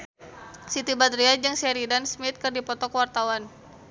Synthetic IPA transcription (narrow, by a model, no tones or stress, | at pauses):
sit̪ibad̪ɾiad͡ʒɨŋsɛɾidansmit̪̚kərdipɔt̪ɔkwart̪awan